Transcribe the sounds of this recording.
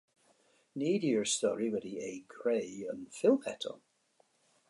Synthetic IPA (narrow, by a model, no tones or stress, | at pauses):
niːdiəɹstɔɹiwɛdieɪkʰɹ̥eːə̃nfɪlˠhɛtʰə̰